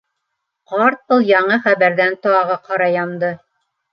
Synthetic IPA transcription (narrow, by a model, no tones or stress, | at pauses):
qɑɾt̪̚bɤlˠjɑɴɤχæβæɾðænt̪oɑʁɑqɑɾɑjɑnd̪ɤ